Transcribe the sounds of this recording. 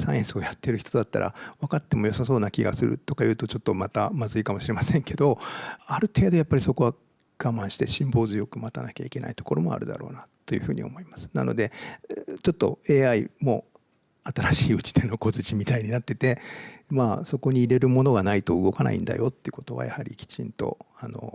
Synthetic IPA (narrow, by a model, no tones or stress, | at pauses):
sãẽsɨo̞jat̪ːe̞ɾɯ̟çi̥t̪o̞d̪at̪ːa̰ɾʔa̰βakat̪ːe̞mo̞josaso̞ːnakʲiɡa̰sɨɾɯ̟̰t̪o̞kajɯ̟ːt̪o̞t͡ɕo̞t̪ːo̞mat̪amazɨikamo̞ɕiɾemasẽ̞ŋke̞d̪o̞aɾɯ̟t̪e̞ːd̪o̞japːaɾʲiso̞ko̞βa | ɡ̥amãɰ̃ɕi̥t̪e̞ɕĩmbo̞ːzɨjo̞kɯ̟mat̪anakʲa̰ike̞nʔa̰it̪o̞ko̞ɾʔo̞mo̞̰a̰ɾɯ̟d̪a̰ɾo̞̰ːnat̪ːo̞jɯ̟ɸɯ̟ːɲ̟ḭo̞̰mo̞imasɨ̥na̰no̞̰d̪e̞ | t͡ɕo̞t̪ːo̞̰e̞ːaimo̞ | at̪aɾaɕiːɯ̟t͡ɕi̥t̪e̞noko̞zɨt͡ɕimʲit̪aiɲ̟inat̪ːe̞t̪e̞maːso̞ko̞ɲ̟iːɾe̞ɾɯ̟mo̞no̞ɡanait̪o̞ɯɡo̞kana̰ʔḭ̃nd̪a̰jo̞t̪ːeiɯ̟ko̞t̪o̞βa̰ja̰haɾʲḭkʲi̥t͡ɕḭ̃nt̪o̞̰ano̞̰